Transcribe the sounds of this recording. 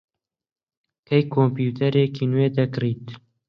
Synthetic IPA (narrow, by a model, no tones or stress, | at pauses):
kʰejkʰompjuːt̪ʰɐɾeːkʰiːnweːd̪ɐkriːt̪